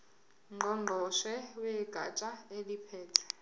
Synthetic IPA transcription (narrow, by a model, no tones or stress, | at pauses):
ŋ͡ǃʱɔŋ͡ǃʱɔʃɛwɛɡ̥ʱa̰t͡ʃʼaelipʰɛːtʰɛ̥